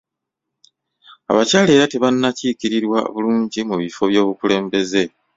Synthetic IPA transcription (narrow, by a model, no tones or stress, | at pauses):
a̰βacaːle̞ːɾate̞βanːacikiɾiɾwa̰βuluːɲɟimuβifo̞βjo̞ːβukule̞ːmbe̞ze̞